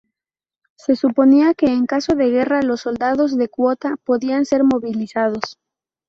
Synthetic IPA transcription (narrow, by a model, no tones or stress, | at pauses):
se̞supo̞niake̞ːŋkaso̞ðe̞ɣ̞e̞ralo̞sːo̞ld̪aðo̞zðe̞kwo̞t̪apo̞ðianse̞ɾmo̞βilisað̞o̞s